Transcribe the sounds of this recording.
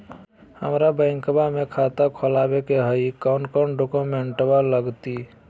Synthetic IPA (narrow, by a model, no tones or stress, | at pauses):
həmɾabə̃ɪ̃ŋkbamekʰat̪akʰɔlabekeɦəikaʊnkaʊɳɖokomeɳʈbaləɡt̪i